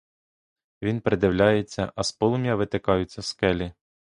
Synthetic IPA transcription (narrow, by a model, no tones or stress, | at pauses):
ʋʲinpɾed̪ɪwlʲajet͡sʲːɐ̰ʔɐspɔlˠʊmʲjɐʋɪt̪ekɑjʊt͡sʲːɐskɛlʲi